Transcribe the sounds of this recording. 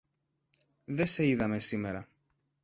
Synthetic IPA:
ðe̞se̞iðɐme̞sime̞ɾɐ

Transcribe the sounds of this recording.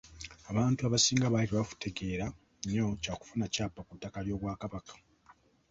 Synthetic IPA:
aβaːntuaβasiːŋɡaβaliβeβafu̥te̞ɡe̞ːɾa | ɲo̞caːku̥funacaːpːakutːakaljo̞ːβwaːkaβakḁ

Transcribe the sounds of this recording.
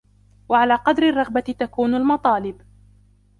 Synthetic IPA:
waʕalaːqɑd̪ɾɪrˤːɑɣbat̪akuːnalmɑt̪ˤɑːlɪb

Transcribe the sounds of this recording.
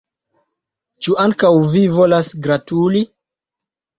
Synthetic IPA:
t͡ʃuaŋkawvivo̞lasɡɾatuli

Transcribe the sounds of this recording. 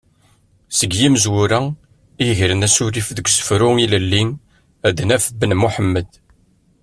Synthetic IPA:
səɡjiməzwʊɾæ | iʝɾənæsʊɾifðəɡʷsə̥fɾʊiləlːin | æd̪næfəbːənmuħəmːəd̪

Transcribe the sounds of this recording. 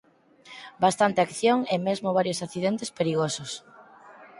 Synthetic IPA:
bast̪ant̪eakθjoŋemezmoβ̞aɾjosaθiðent̪espeɾiɣosos

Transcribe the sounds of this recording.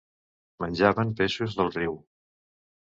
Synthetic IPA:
mənʲʒaβəmpeʃuzðəlˠriw

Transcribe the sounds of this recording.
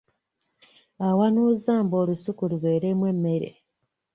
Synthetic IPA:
awanuzaːmbo̞ːlusukuluβwe̞ːɾemwe̞mːe̞ɾḛ

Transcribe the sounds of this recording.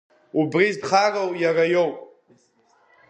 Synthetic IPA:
ubrizpʰχarowjarajowpʼ

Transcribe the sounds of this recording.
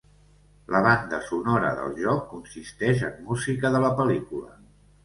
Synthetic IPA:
ləβ̞and̪əsunɔɾə̰ðə̰lˠʒɔkːunsist̪ɛʒəmːuzikəðələpəlikulə̰

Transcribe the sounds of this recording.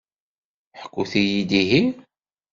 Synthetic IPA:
ħə̥kʷːuθijid̪iɦi

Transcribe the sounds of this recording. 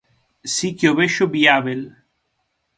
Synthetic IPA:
sikjoβeʃobiabel

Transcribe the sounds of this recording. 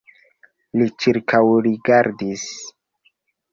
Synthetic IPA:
lit͡ʃiɾkʰawɾiɡaɾdis

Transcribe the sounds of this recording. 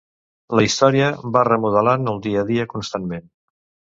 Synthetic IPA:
ləist̪ɔɾiəβarəmuðəlanəlˠd̪iəðiəkunst̪anmen

